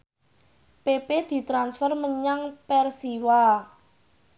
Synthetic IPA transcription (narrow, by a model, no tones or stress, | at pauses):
peped̪̥i̤t̪ɾansfərməɲaŋpɛrsiwa